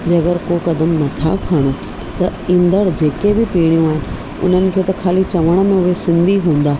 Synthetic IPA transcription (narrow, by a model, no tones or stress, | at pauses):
d͡ʑɐɡəɾkokɐd̪əmnɐt̪ʰakʰɐɽ̃o | t̪ɐɪ̃nd̪əɽd͡ʑeːkebɪpiːɽ̃ijũaːɦɪnɪ̆ | ʊ̰n̤ənɪ̆kʰeːt̪ɐkʰaːlit͡ɕɐʋəɽ̃ə̆mẽʊɦesɪ̃nd̪ʱiɦũːn̆d̪aː